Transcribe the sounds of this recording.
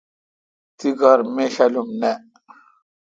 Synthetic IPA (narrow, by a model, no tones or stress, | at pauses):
t̪iɡaɾmeɕalumnɛ